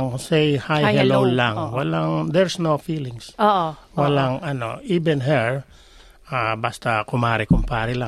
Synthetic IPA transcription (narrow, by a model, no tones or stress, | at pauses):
ŋsɛjhajalonlaŋwalaŋd̪ɛɹsnofilɪŋs | walaŋɐno̰ibɛnɦɛɹ | abast̪akʊmaɾikʊmpaɾila